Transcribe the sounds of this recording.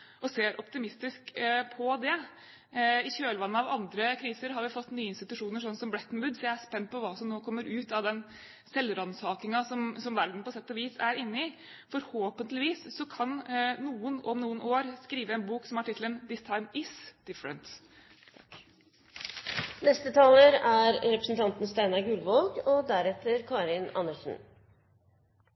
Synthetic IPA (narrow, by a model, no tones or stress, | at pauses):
ʔɔseːɾʔɔpt̪ɪmɪst̪ɪskpʰɔd̪ɛ | ɪçøːlʋɑnːəɑʋɑnd̪ɾəkʰɾiːsəɾɦɑɾʋɪfɔt̪ːnyːəɪnst̪ɪt̪ʉʂuːnəʂ̬ɔnːsɔmblɛt̪ːnbʉd̪sɔjæɪæspɛnt̪̚ːpʰɔʋɑːsɔmnoːkʰɔmːəɾʔʉːt̪ɑʋd̪ɛn | sɛlɾɑnsɑːkɪŋɑsɔmsɔmʋæɾd̪n̩pɔsɛt̪ːɑʋiːsæɾɪnːəɪ | fɔɾhoːpənt̪lɪʋiːsːɔkʰɑnnuːənɔmnuːənʔoːɾskɾiːʋəɛnbuːksɔmæʈʰɪt̪ʰl̩ənd̪ɪsɑɪnɪsd̪̥ɪfəɾə̰nt̪ | nɛst̪ət̪ʰɑːləɾæɾɾɛpɾəsn̩t̪ʰɑnt̪nst̪æɪnɑɾɡʉlʋɔlɡɔd̪æɾɛt̪ːəɾkʰɑːɾɪnɑ̰nəʂn̩